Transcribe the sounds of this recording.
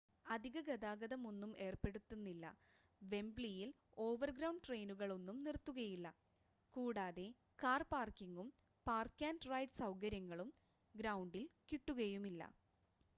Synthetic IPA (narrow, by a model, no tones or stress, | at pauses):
ɐd̪ʱiɣɐɡɐd̪aːɡɐðɐmonːume̞ːrpe̞ɽut̪ːunːilːɐ̰ | ʋe̞mblijil | o̞ːʋɐrɡɾɐwɳɖʈrejnuɣɐɭo̞nːumnirt̪ːuɣɐjilːɐ | kuːɽaːðe̞ | kaːrpaːrkiŋɡum | paːrkaːnɖrɐjɖsɐwkɐɾjɐŋːɐɭum | ɡɾɐwɳɖilkiʈːuɣɐjumilːɐ̰